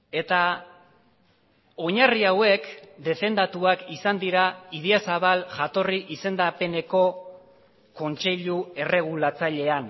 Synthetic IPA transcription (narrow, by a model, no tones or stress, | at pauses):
e̞t̪a | o̞ɲariawe̞kd̪e̞fe̞nd̪at̪uakisand̪iɾaiðeasaβ̞alʝat̪o̞riʔise̞nd̪ape̞ne̞ko̞ | ko̞nt͡ʃe̞ʎue̞re̞ɣ̞ulat͡saʎe̞an